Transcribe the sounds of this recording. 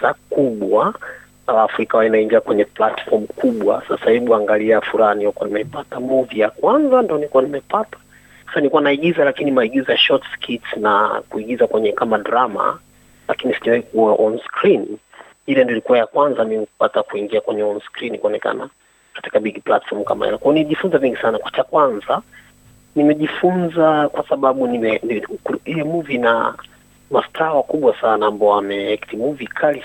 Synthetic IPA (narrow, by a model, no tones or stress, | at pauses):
akuɓwa | alaːfuɾikawainaiŋɡiakwɛɲɛplatfɔm̩kuɓwa̰sasahiɓuaŋɡaliafuɾahaniɔkanimɛipatamɔvijakwanzandiɔnikuwanimɛpatḁ | sḁsanikuwanaiɠizalakinimaiɠizajaʃɔtskʰitnakuiɠizakwɛɲɛkamadɾama̰ | la̰kinisiʄawahikuwaʔɔnskɾin | ilɛndilikuwajakwanzamimiku̥patakuiŋɡiakwɛɲɛɔnskɾinkuɔnɛka̰na | kḁti̥kaɓiɡipla̰tfɔm̩ka̰ma̰hḭlɛkajɔniɛʄifunzaviŋɡisanakwat͡ʃakwanza | nimɛʄifunzakwasaɓaɓunimɛnilɛmuvina̰ | mastʰawakuɓwasanaambaɔamɛɛkitimuvikʰali